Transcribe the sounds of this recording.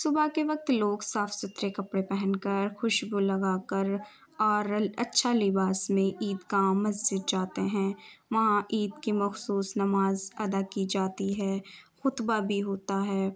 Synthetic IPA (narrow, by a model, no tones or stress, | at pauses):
sʊbakeʋɐk̚t̪loːɡsaːfsʊt̪ɾekɐpɽepɛɦɛ̃nkɐɾxʊʃbulɐɡaːkɐɾ | ɔːɾɐtːʃʰalɪbaːsmẽʔiːd̪kamɐzd͡ʒɪd̪̚d͡ʒaːt̪eɦɛ̃ːʋɐɦãʔiːd̪kimɐxsuːsnɐmaːzɐd̪akid͡ʒaːt̪iɦɛːxʊt̪babʱiɦoːt̪aɦɛː